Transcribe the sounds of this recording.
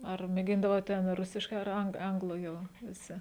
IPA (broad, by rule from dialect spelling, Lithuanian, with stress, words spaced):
ɐr mʲeːˈɡʲɪndɐʋoːt ˈtʲɛn ˈrʊsʲɪʃkɐɪ ɐr ˈɐŋk ˈɐŋɡlˠʊ ˈjɛʊ ʋʲɪˈsʲɪ